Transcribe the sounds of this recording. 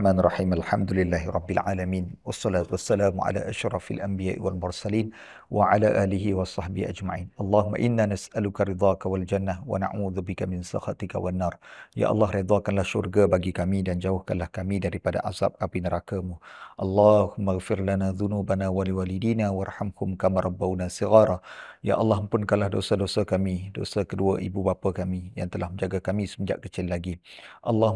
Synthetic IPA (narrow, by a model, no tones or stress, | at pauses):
maːnrˤːɑħiːmalħamd̪ulɪlːaːɦiɾˤʔˤɑbːɪlʕaːlamiːnwɑsˤːɑlaːt̪uwasːalaːmuʕa̰la̰ʔaʃɾˤɑfalʔambijaːʔḭwalmʊrsaliːn | wʔaʕalaʔaːliɦiwɑsˤɑhbihḭʔad͡ʒmaʕiːnʔɑlˤːɑːhʊmːa̰ʔɪnːanasʔalukaɾɪd̪ˤɑːkawald͡ʒanːahwa̰na̰ʕuːðubɪkamɪnsɑ̰xat̪ika̰wanːɑːrˤja̰ʔɑ̰lːɑhɾid̪ˤɑkanlahʃṵrɡabaɡikamidand͡ʒaʊhkanlahkamidaɾipada̰ʔaza̰p̚kapinəɾakamuʔɑlˤːɑhʊmːaɣfɪrlanaðunuːbanawaliwaːlidiːnawarˤhamhʊmkamaɾˤɑbːawnasiɣaːɾˤɑja̰ʔɑlːɑhpʊnkalahdosədosəkamido̰səkəduaʔibubapakamija̰ŋt̪əlahməɲd͡ʒaɡakamisəməd͡ʒa̰ʔkət͡ʃɪlːaɡiʔɑlːɑ